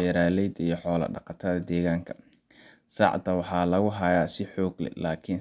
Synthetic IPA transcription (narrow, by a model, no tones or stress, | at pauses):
ɛːɾaːlɛjd̪ijɞħɔːlɐ̰ɖɑ̰qɑt̪ʰɐðɐd̪ɛːɣaːŋkʰɐ̥ | sɑ̰ʕd̪ɐwɑħɑːlɐɣʊɦɐjaːsɪħɔːɡlɛ̰laːkʰɪn